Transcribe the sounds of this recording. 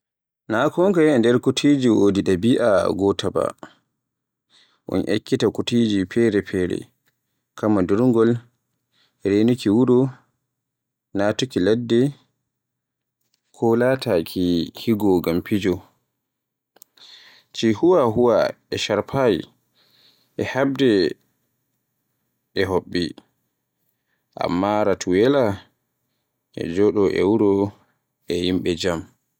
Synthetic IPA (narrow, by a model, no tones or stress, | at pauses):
nakɔŋkajɛndɛɾkutʰiːd͡ʒiwodiɗabiʔa̰ɡɔtʰaba̰ | ʔɔ̰nʔḛkːitakutiːd͡ʒipʰɛɾɛpʰɛɾɛ̰ | kamːaduɾŋɡɔl | ɾenukiwuɾɔ | natukiladːɛ | kʰɔlaːtakʰihiɡɔɡampid͡ʒɔ | t͡ʃihuwaɦuwa̰ | ɛʃaɾpʰaj | ʔɛhab̚dɛ | ɛɦoɓːi | ʔa̰mːaɾatʰuwɛla | ʔɛ̰d͡ʒɔɗɔʔɛ̰wuɾɔ | ɛjimɓɛd͡ʒam